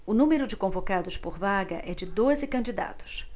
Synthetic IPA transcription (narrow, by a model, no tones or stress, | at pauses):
ʊnũmeɾʊd͡ʒɪkõvokad̪ʊspoɾvaɡɐʔɛd͡ʒɪd̪ozɪkɐ̃nd͡ʒid̪a̰t̪ʊ̥s